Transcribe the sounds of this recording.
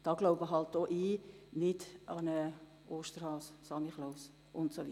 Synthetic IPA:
d̥ɑːɡ̥loʊbəɦɑlt̚d̥oːʔiːnɪdɑnə | ʔoːʃtəɾhɑːssɑmiχloʊs | ʔʊntsoʋi

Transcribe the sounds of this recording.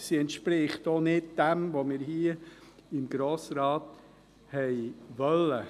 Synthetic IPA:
siɛntʃpɾɪχtoːnɪd̚d̥ɛmʋomɪːɾhiəɪmɡɾoːsɾɑːt | hɛɪʋœlːə

